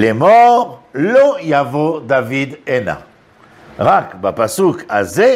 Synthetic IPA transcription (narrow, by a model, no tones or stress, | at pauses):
lemɔʁlojavod̪avid̪ena̰ | ʁakbapasukaze